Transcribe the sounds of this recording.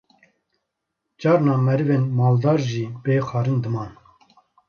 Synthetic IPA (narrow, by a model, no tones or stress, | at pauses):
d͡ʒɑːɾnɑːmɛɾɨveːnmɑːld̪ɑːɾʒiːbeːxɑːɾɨnd̪ɨmɑːn